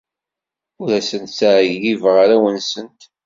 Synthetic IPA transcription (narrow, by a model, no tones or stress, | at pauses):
ʊɾæsənt̪saʕjjivʁaɾæwənsənt̪